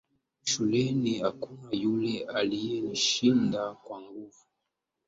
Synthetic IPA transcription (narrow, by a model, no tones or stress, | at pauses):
ʃulɛniakunajulɛalijɛm̩ʃindakwaŋɡuvu